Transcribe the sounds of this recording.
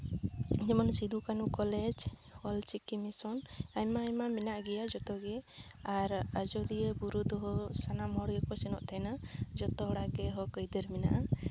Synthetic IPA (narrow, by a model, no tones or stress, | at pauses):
d͡ʒɛmɔnsid̪ukanukɔlɛd͡ʒwɔlt͡ʃikːimisɔnaɲmaːjmaminaʔɡɛjad͡ʒɔt̪ɔɡɛ | aɾad͡ʒɔlijebuɾud̪ɔɦɔsanamɔɽɡɛkɔsɛnɔʔt̪ʰɛnad͡ʒɔt̪ɔɽaɡɛɦɔkəjd̪əɾmina̰ʔa